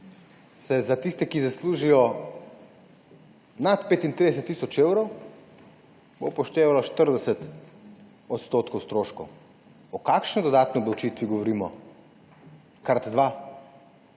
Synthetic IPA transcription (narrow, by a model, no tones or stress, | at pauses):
sɛzat̪ist̪ɛkizasluːʒijɔ | nat̪peːt̪int̪ɾid̪ɛs̬ɛt̪ːisɔt͡ʃewɾɔw | bopɔʃt̪eːʋalɔʃt̪əɾd̪ɛsɛt̪ | ɔt̪st̪ot̪kɔwst̪ɾoːʃkɔw | ɔkakʃnɔd̪ɔd̪aːt̪niɔblɔwt͡ʃit̪ʋiɡɔʋɔɾiːmɔ̰ | kaɾt̪d̪ʋa